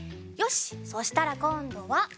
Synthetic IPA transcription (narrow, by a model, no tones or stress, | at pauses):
jo̞ɕi̥so̞ɕi̥t̪aɾakõ̞nd̪o̞βa